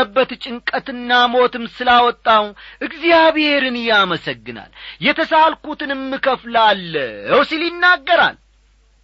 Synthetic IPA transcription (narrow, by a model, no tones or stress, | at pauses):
əbːət̪t͡ʃʼɪŋkʼət̪ɨnːamo̞t̪ɨmsɨlawɔt̪ʼːawnʔɨɡzijaβhe̞ɾɨnɨjaməsəɡːɨna̰ljɛt̪ʰəsalkut̪ʰɨnɨmːɨkʰəflalːəwsiljɪnːaɡːəɾa̰l